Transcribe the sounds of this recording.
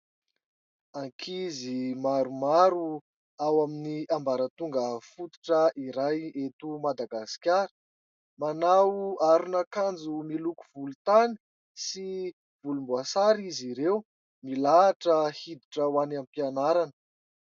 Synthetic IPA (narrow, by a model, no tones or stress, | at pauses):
aŋkʰizimaɾumaɾu | awaminiambaɾət̪uŋɡəfut̪u̥ʈ͡ʂəʔiɾajet̪umad̪aɡasi̥kʲaɾə̥ | manawaɾunakand͡zumilukuvulut̪ani̥ | si | vulumbuasaɾiziɾew | milaʈ͡ʂəhid̪iʈ͡ʂəwanampianaɾanə̥